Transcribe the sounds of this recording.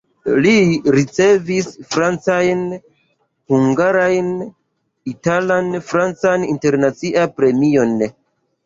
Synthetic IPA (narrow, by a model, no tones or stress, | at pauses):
liɾit͡se̞visfɾant͡sajn | huŋɡaɾajn | italanfɾant͡saninte̞ɾnat͡siʔapɾe̞mio̞n